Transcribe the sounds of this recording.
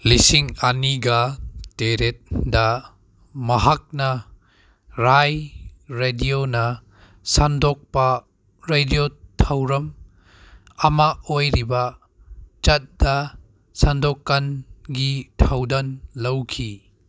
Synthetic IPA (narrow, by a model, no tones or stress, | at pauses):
lisiŋɐniɡɐteɾet̚dɐ | mɐɦak̚nɐ | ɾajɾedionɐ | sandɔk̚pɐ | ɾediotʰawɾɐm | ɐmaojɾibɐ | t͡ʃɐt̚d̥ɐ | sandɔkːanɡitʰawdɐnlɐwkʰi